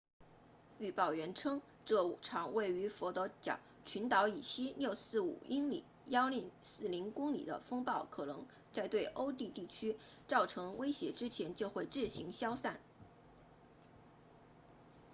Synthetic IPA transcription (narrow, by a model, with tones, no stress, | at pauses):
y˥˧pɑ˥˩ʊɥɛ˧˥nʈ͡ʂʰɤ˥ŋ | ʈ͡ʂɤ˥˩˨ʈ͡ʂʰɑ˨˩ŋwe˥˩ɪy˧˥fɔ˧˥t̪ɤ˧˥t͡ɕjɑ̰˨˩˦ | t͡ɕʰy˧˥nt̪ɑ˧˥ʊi˨˩ɕi˥ljo˥˧ʊsɹ̩˥˩ṵ˨˩i˥ŋlḭ˨˩˦ | jɑ˥ʊli˥˩ŋsɹ̩˥˩li˧˥ŋkʊ˥ŋlḭ˨˩d̪ə̰˦fɤ˥ŋpɑ˥˩ʊkʰɤ˨˩nɤ̰˧˥ŋ | t͡sa˥˧ɪt̪we˥˩ɪʔo˥ʊt̪i˥˧t̪i˥˩t͡ɕʰy˥ | t͡sɑ˥˩ʊʈ͡ʂʰɤ˧˥ŋwe˥ɪɕjɛ˧˥ʈ͡ʂɻ̩˥t͡ɕʰjɛ˧˥nt͡ɕjo˥˧ʊxwe˥˧ɪʈ͡ʂɻ̩˥˩ɕi˧˥ŋɕjɑ˥ʊsa˥˩n